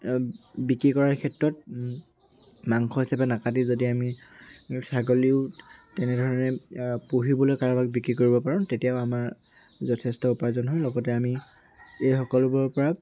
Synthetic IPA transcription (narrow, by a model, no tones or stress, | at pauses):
bikɹikɔɹaɹkʰɛtɹɔt̚ | maŋkʰɔɦisabɛnakadizodiami | saɡoliʊtɛnɛdʱɔɹɔnɛpuɦibɔlojkaɹabaɡ̚bikɹikoɹibɔpaɹɔ̃tetijaʊamaɹ | zɔtʰɛstɔupazɔnɦɔjlɔɡɔtɛami | ejxɔkɔlʊbɔɹpɔɹa